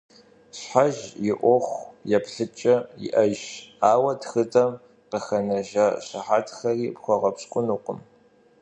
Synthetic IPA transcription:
ɕħaʒjɪʔʷɔχʷjɛpɬɨt͡ʃʼɐjɪ̰ʔɐʒaːwɐtxɨdɐm | qəxɐnɐʒaɕaħaːtʰxɐriːpxʷɔʁɐpɕkʷʼʊnuqʷʊm

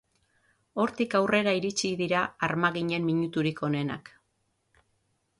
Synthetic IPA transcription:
o̞ɾt̪ikawre̞ɾaiɾit͡ʃiðiɾaːɾmaɣiɲe̞mːiɲut̪uɾikʰo̞ne̞na̰k

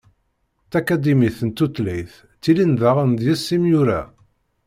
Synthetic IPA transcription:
θækæd̪imiθənt̪ːut̪lijθ | t͡sːilinðəʁnd̪jæsːimjuɾæ̰

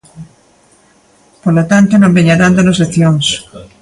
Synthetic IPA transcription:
polot̪ant̪onõmbeɲaðand̪onosleθjoŋs

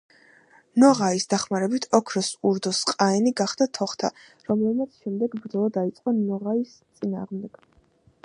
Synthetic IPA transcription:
nɔʁaisd̪aχmaɾɛbit̪ʰɔkʰɾɔsuɾd̪ɔsqʼaɛniɡaχd̪at̪ʰɔχt̪ʰa̰ | ɾɔmlɛbmat̪sʰʃɛmd̪ɛɡbɾd̪zɔlˠɔd̪ait̪sʼqʼɔnɔʁais | t̪sʼina̰ːʁmd̪ɛɡ̥

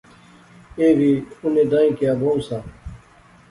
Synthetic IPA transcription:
eːʋiːʊnẽːd̪ãːĩːkijaːbõːũsãː

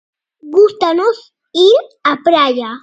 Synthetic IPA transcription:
ɡʊst̪anʊs | iɾapɾaja

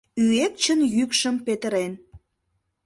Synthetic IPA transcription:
yek̚t͡ɕənjykʃəmpet̪əɾen

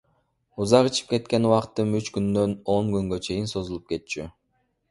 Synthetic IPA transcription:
uzɑqɯt͡ʃʰi̥p̚ke̞t̪̚ke̞nuwɑqt̪ːɯmyt͡ʃkynd̪ø̞no̞ŋɡyŋɡø̞t͡ʃʰe̞jinso̞zulˠup̚ke̞t̪̚t͡ʃʰy

